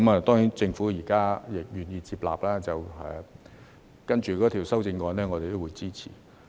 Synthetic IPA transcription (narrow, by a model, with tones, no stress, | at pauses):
mɐː˨t̪ɔː˥ŋiː˨˥nt͡sɪ˧ŋfuː˨˥jiː˨˩kaː˥jɪ˨˩k̚jyː˨˩njiː˧t͡siː˧p̚la̰ː˨p̚laː˥t͡sɐ˨wɛ̰˨ | kɐ˥nt͡ʃyː˨˧kɔː˨˥t̪ʰi˨˩wsɐ˥wt͡sɪ˧ŋkɔː˨˧nɛː˥ŋɔː˨˧t̪e˨t̪o˥wuː˨˧jt͡siː˥t͡sʰiː˨˩